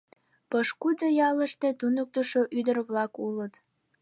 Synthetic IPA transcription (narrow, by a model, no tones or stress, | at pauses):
pəʃkud̪əjɑləʃt̪e̽t̪unuk̚t̪əʃoʔyd̪ərβlɑkulət̪